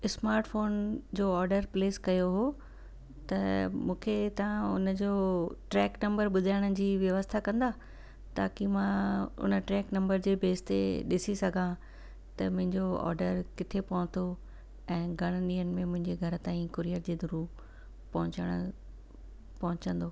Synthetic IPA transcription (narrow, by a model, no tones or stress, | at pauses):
ɪsmaːɾʈfoːnd͡ʑoːɔːɾɖəɾpleːskɐjoɦo | t̪ɐmũːkʰet̪ɐʋ̤ãʊ̰nəd͡ʑoːʈɾɛːknɐ̃mbəɾɓʊd̪ʱaːɪɽ̃əd͡ʑiːʋjɐʋəst̪ʰakɐ̃nd̪aː | t̪aːkimãʊ̰nə̆ʈɾɛːknɐ̃mbəɾd͡ʑeːbʱeːst̪ḛɗɪsisɐɡʱã | t̪ɐmʊ̃ɦɪ̃ɲd͡ʑoɔ̰ːɾɖəɾkɪt̪ʰepɐɦʊ̃t̪ʰo | ɛ̃ːɡʱɐɽ̃ɗiːənɪ̆mẽmʊ̃ɦɪ̃ɲd͡ʑeɡʱɐɾ̆t̪ãːĩkʊɾijəɾd͡ʑeːd̪ʱʊɾu | pɐɦʊ̃t͡ɕəɽ̃ | pɐɦʊ̃t͡ɕə̃nd̪oː